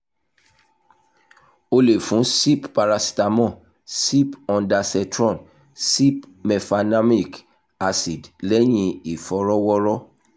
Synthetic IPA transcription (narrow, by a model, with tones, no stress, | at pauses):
o˧le˨fũ˨˦si˦ppa˧ɾa˧si̥˨ta˧mɔ̃˦˨ | si˦pɔ̃˧nda˧sɛ˧tɾɔ̃˦˨n | si˦pmɛ˨fa˧na˦mi˦˨k | a˧si˨dlɛ˦j̃ĩ˦˧i˨fɔ˨˦ɾɔ˦wɔ˦ɾɔ˦